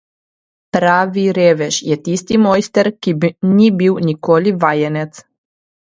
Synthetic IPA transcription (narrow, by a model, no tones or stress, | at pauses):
pɾaːʋiɾeʋeʃjet̪ist̪imojst̪eɾkinʲibiwnikoliʋajenet̪s